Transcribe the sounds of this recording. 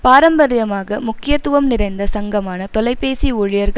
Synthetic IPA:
paːɾɐmbɐɾɐjɐmaːɣɐmʊkːɪjɐt̪ːʊʋɐmnɪɾɐɪnd̪ɐsɐŋɡɐmaːnɐt̪ɔlɐɪpːeːsiʊɻɪjɐɾɣɐ

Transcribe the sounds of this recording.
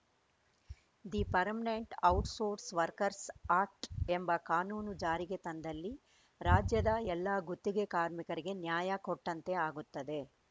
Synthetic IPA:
d̪ipɐɾmineɳʈɐwʈsoːɾsʋɐɾkɐɾsaːɾʈembɐkaːnuːnud͡ʒaːɾiɡe̞t̪ɐnd̪ɐlːi | ɾaːd͡ʒjɐd̪ɐɛlːaːɡut̪ːiɡekaːɾmikɐɾiɡe̞njaːjɐkɔʈːɐnt̪e̞aːɡut̪ːɐd̪e̞

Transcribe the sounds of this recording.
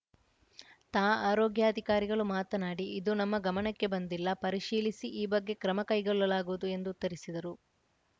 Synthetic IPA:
t̪aːaːɾoːɡjaːɐd̪ʱikaːɾiɡɐɭumaːt̪ɐnaːɽiːd̪unɐmːɐɡɐmɐɳɐkːe̞bɐnd̪ilːɐpɐɾiʂiːlisiʔiːbɐɡːe̞kɾɐmɐkɐjɡɔɭːɐlaːɡuʋud̪ue̞nd̪uːt̪ːɐɾisid̪ɐɾu

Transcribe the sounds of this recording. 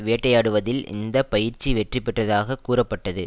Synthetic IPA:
ʋeːʈːɐjaːɽɯʋɐðɪlɪ̰nd̪ɐpɐjɪɾt͡ʃːiʋɛʈrɪpːɛʈːɐðaːɣɐkuːrɐpːɐʈːɐðɯ

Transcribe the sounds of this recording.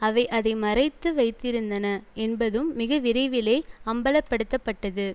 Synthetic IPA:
ɐʋɐɪʔɐðɐɪmɐrɐɪt̪ːɯʋɐɪt̪ːɪɾɯnd̪ɐnɐɛnbɐðɯmːɪɣɐʋɪɾɐɪʋɪleːɐmbɐlɐpːɐɽɯt̪ːɐpːɐʈːɐðɯ

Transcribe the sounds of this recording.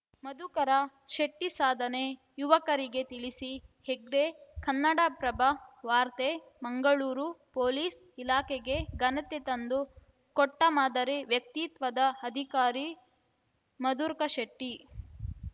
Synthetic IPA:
mɐd̪ukɐɾɐ | ʃɐʈːisaːd̪ʱɐne | juʋɐkɐɾiɡe̞t̪iɭisiheɡɖekʰɐnːɐɽɐpɾɐbʱɐʋaːɾt̪e | mɐŋɡɐɭuːɾupoːliːs | ilaːkeɡe̞ɡɐnɐt̪et̪ɐnd̪u | kɔʈːɐmaːd̪ɐɾeʋjɐk̚t̪it̪ʋɐd̪ɐɐd̪ʱikaːɾi | mɐd̪uːɾkɐʃɐʈːi

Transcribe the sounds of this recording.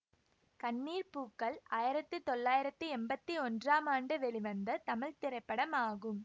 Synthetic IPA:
kɐnːiːɾpuːkːɐɭaːjɪɾɐt̪ːɯt̪ɔɭːaːjɪɾɐt̪ːɯɛmbɐt̪ːiɔndraːmaːɳɖɯʋɛɭɪʋɐnd̪ɐt̪ɐmɐɭt̪ɪɾɐɪpːɐɽɐmaːɣɯm

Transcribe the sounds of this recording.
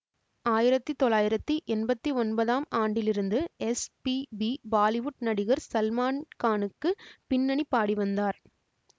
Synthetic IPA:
aːjɪɾɐt̪ːɯt̪ɔlaːjɪɾɐt̪ːiʔɛnbɐt̪ːiɔnbɐðaːmaːɳɖɪlɪɾɯnd̪ɯɛspibibaːlɪʋʊʈ̚nɐɽɪɣɐɾsɐlmaːnkaːnɯkːɯpɪnːɐɳipːaːɽiʋɐnd̪aːɾ

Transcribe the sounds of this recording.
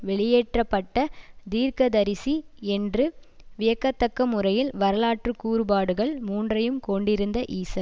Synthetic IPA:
ʋɛɭɪjeːʈrɐpːɐʈːɐd̪iːɾkɐd̪ɐɾɪsiɛndrɯʋɪjɐkːɐt̪ːɐkːɐmːɯrɐjɪlʋɐɾɐlaːʈrɯkːuːɾɯbaːɽɯɣɐɭmuːndrɐjɯmkɔɳɖɪɾɯnd̪ɐʔiːsɐ

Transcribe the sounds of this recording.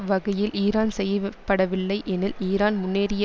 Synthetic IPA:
ʋɐɣɐjɪlʔiːɾaːnsɛjɐpːɐɽɐʋɪlːɐɪʔɛnɪliːɾaːnmʊnːeːɾɪj

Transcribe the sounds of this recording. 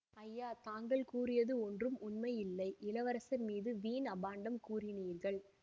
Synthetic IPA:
ɐjːaːt̪aːŋɡɐɭkuːrɪjɐðɯɔndrɯmʊnmɐɪjɪlːɐɪʔɪlɐʋɐɾɐsɐnmiːðɯʋiːnɐbaːɳɖɐmkuːɾɪniːɾɣɐɭ

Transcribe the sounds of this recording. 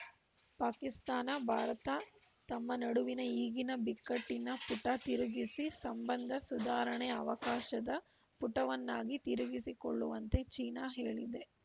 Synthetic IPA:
paːkist̪aːnɐbʱaːɾɐt̪ɐ | t̪ɐmːɐnɐɽuʋinɐiːɡinɐbikːɐʈːinːɐpuʈɐt̪iɾuɡisisɐmbɐnd̪ʱɐsud̪aːɾɐɳɛɐʋɐkaːʃɐd̪ɐ | puʈɐʋɐnːaːɡit̪iɾuɡisiko̰ɭːuʋɐnt̪e̞t͡ʃiːnaːɦeːɭid̪e̞

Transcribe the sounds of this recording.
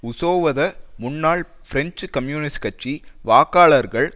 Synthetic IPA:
ʊsoːʋɐðɐmʊnːaːɭ | fɪɾɛɲt͡ʃkɐmjuːnɪskɐt͡ʃːiʋaːkaːɭɐɾɣɐɭ

